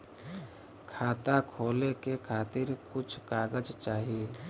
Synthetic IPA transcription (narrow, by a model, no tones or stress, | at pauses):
kʰaːt̪akʰoːlekekʰaːt̪ɪɾkʊt͡ʃʰkaːɡəd͡ʒt͡ʃaːɦie